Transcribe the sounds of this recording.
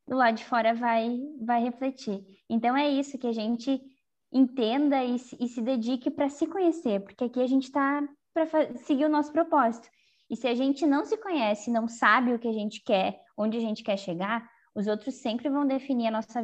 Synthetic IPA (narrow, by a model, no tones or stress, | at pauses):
d̪ʊlad̪ʊd͡ʒɪfɔɾɐvajvajheflet͡ʃiẽnt̪ɐ̃w̃ɛisʊkɪaʒẽnt͡ʃɪ | ẽnt̪ẽnd̪ɐɪsɪɪsɪd̪ed͡ʒikɪpɾɐsɪkõɲeseɾpoɾkɪakiaʒẽnt͡ʃɪ̥t̪a | pɾɐfasɪɡiʊnɔsʊ̥pɾopɔzit̪ʊ̥ | ɪsɪaʒẽnt͡ʃɪnɐ̃w̃sɪkõɲɛsɪnɐ̃w̃sabɪʊkɪaʒẽnt͡ʃɪ̥kɛɾ | õnd͡ʒɪaʒẽnt͡ʃɪ̥kɛɾʃeɡaɾ | ʊzowt̪ɾʊsːẽmpɾɪvɐ̃w̃d̪efiniɾɐnɔsɐ